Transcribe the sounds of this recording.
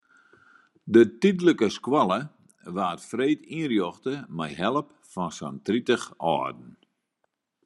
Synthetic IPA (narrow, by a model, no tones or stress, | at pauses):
dətidləkəskwɔlˠə | ʋaːtfreːtiərjɔxtəmɛjɦɛlˠəp̚ | fɔnsa̰ntritəxɔ̰ːdn̩